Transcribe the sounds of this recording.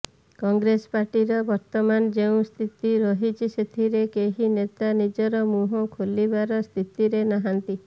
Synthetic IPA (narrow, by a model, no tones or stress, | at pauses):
kɔŋɡɾespaɾʈiɾɔbɔɾt̪ɔmand͡ʒeũst̪ʰit̪iɾɔɦit͡ʃʰiset̪ʰiɾekeɦinet̪anid͡ʒɔɾɔmuɦɔkʰolibaɾɔst̪ʰit̪iɾenaɦant̪i